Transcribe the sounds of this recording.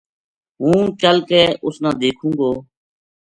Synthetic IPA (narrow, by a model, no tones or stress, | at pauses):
ɦũːt͡ʃəlkɛːʔʊsnãːd̪eːkʰũːŋɡoː